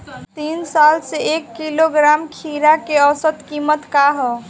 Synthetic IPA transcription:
t̪insalseekːiloɡɾamkʰiɾakeəwsət̪kimət̪kaɦɔ

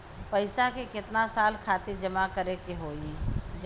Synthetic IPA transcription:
pɐɪsakekɪt̪nasaːlkʰaːt̪id͡ʒɐmakɐɾekeɦoːĩd͡ʒ

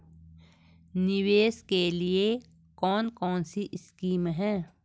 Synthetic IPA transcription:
nɪweːskelie | kɔːnkɔːnsiʔɪskiːmɦɛ̃ː

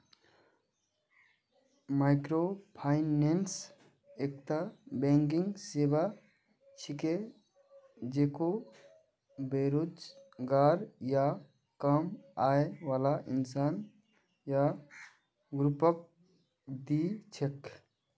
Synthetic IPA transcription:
maɪkɾopʰaːɪnens | ek̚t̪abẽŋk̬iŋɡseba | t͡ʃʰike | d͡ʒeːko | beɾud͡ʒɡaːɾja | kəmaːeʋaːlaʔinsaːn | ja | ɡɾupək̚ | d̪it͡ʃʰek

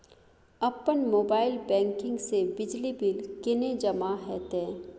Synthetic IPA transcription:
ɐpːənmoːbaːɪlbɛ̃ːŋkɪ̃ŋɡsebɪd͡ʒlibɪlkɪned͡ʒɐmaɦɛːt̪ẽː

